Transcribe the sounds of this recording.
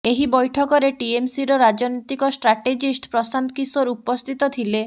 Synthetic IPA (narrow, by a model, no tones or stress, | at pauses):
eɦibɔjʈʰɔkɔɾeʈiemsiɾɔɾad͡ʒɔnojt̪ikɔsʈɾaʈed͡ʒisʈpɾɔsant̪kisoɾupɔst̪ʰit̪ɔt̪ʰile